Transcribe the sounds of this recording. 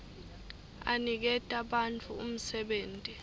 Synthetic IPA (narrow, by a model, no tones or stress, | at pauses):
a̰nik̬ɛtʼaɓant͡fʰuum̩sɛɓeːntʼi